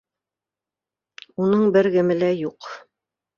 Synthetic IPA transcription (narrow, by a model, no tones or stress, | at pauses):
unɤɴbɘɾɡɘ̆mɘ̆læjuq